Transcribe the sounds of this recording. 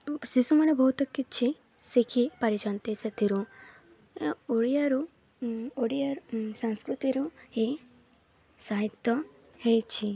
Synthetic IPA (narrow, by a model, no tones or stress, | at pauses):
sisumɐnebʱɐɦut̪ɐkːit͡ʃʰi | sikʰipɐɾid͡ʒant̪esɐt̪iɾu | oɽijaɾu | oɽijaɾsãŋskɾut̪iɾuhi | saɦit̪ɔ | hejt͡ʃʰi